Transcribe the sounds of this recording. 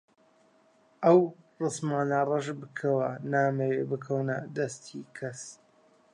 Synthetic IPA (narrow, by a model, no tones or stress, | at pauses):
ʔɐw | rɨsmaːnɐrˤɐʒbɨkʰɐwɐnaːmɐwebɨkʰɐwnɐd̪ɐst̪ʰikʰɐs